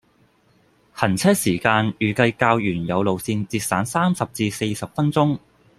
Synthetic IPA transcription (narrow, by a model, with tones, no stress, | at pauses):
hɐ˨˩nt͡sʰɛː˥siː˨˩kaː˧njyː˨kɐ˧jkaː˧wjyː˨˩njɐ˨˧wlo˨wsiː˧nt͡siː˧t̚saː˨˥nsaː˥msɐ˨p̚t͡siː˧se˧jsɐ˨p̚fɐ˥nt͡sʊ˥ŋ